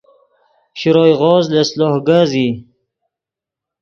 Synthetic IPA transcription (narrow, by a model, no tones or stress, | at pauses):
ɕiɾoːjɣɔːzlesloːhɡazi